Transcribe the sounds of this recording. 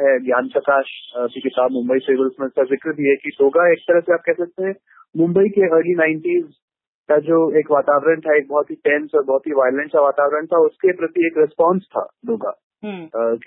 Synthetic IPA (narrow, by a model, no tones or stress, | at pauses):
ɦɛɡjaːnt͡ʃɐkaːʃbikɪt̪aːbmʊ̃mbəiseːbəlsməd͡ʒsazɪkɾbʱiɦɛkiɖoːɡaeːk̚t̪ɐɾəɦseaːp̚kɛɦsɐk̚t̪eɦɛ̃ | mʊ̃mbəikeəːɾlinãːɪɳʈiːz | kad͡ʒoːeːkʋaːt̪aːʋɾəɳt̪ʰaeːk̚bɔɦɔt̪ɦiʈɛ̃nsɔːɾbɔɦɔt̪ɦiʋaːjlə̃ɳʈkaʋaːt̪aːʋɾəɳt̪ʰaʊskepɾɐt̪ieːkɾɪspɔ̃ːnst̪ʰa̰ːd̪oːɡa̰ | ɦk